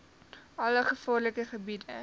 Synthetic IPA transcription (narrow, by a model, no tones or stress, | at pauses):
ɐləχəfɑːrləkəχəbidə